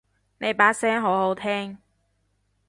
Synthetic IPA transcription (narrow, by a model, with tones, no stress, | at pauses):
ne˨˧jpaː˨˥sɛː˥ŋɦo˨˥who˨˥wt̪ʰɛː˥ŋ